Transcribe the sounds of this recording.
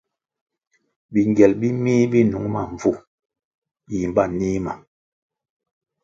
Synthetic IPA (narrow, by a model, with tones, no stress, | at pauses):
bi˨ŋɡjɛ˨lbi˦miː˦bi˦nu˨˦ŋma˨ɱ˨vu˦˨ | ji˨m˨ba˦˨niː˦ma˨